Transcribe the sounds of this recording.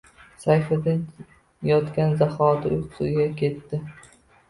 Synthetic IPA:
sajfad̪an | jɒt̪kʲanzahɒd̪ɪʊjqʊ̥sʊɡʲakʲʰe̞t̪ːɪ

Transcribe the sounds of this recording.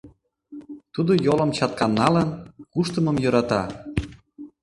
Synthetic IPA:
t̪ud̪ojolə̆mt͡ɕɑt̪̚kɑnːɑlənkuʃt̪əməmjɤ̆ɾɑt̪ɑ

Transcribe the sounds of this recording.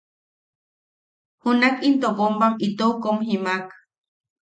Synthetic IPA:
hunakint̪opombaŋit̪owkomɦimak

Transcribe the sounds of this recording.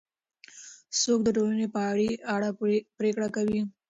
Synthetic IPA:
sok̚d̪əʈolanepaɽiaɽapɾekɽakawi

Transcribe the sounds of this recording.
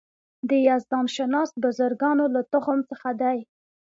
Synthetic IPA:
d̪əjazd̪ɑmʃanɑst̪̚bazaɾɡɑnolat̪ʊxʊmt͡səxad̪aj

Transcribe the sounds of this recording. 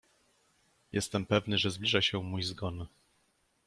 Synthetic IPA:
jʔɛ̰st̪ɛmpɛvnɘʐɛzblʲiʐaɕɛmujzɡɔn

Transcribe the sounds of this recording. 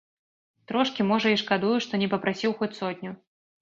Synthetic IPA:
t̪ɾɔʂkʲimɔʐɐiʂkad̪ujuʂt̪ɔnʲɛpɐpɾʔasʲiwxɔt͡sʲsɔd̪ʲnʲu

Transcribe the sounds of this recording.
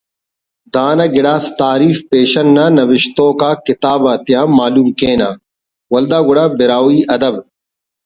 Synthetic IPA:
d̪aːnɐɡɪɽaːst̪aːɾiːfpeːʃɐnːanɐwɪʃt̪oːkaːkɪt̪aːbɐt̪ijãːmːaːluːmkẽːnaː | wɐld̪aːɡʊɽaːbɪɾaːwiːʔɐd̪ɐb

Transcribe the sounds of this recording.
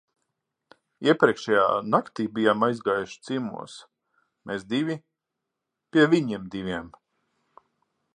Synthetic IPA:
iɛpɾʲiɛkʃɛja̰ːnakt̪iːbijamajzɡaːjuʃt̪simṵɔs | mʔeːsd̪iʋʲi | pʲiɛvʲiɲimd̪iʋʲiɛm

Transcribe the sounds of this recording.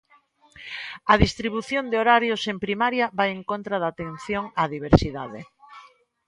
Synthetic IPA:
ɐðist̪ɾiβ̞uθjond̪eoɾaɾjosempɾimaɾjaβajeŋkont̪ɾaðat̪en̟θjoŋaðiβ̞eɾsiðaðe

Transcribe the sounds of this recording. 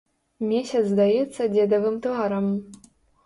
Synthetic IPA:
mʲeɕʲɐt͡s̪zd̪ajɛt̪sːɐdʲed̪ɐvɨmt̪ɔaɾɐm

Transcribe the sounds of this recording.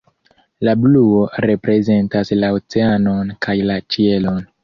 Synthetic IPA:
labluoɾe̞pɾe̞ze̞ntaslaot͡se̞ano̞nkʰajlat͡ʃie̞lo̞n

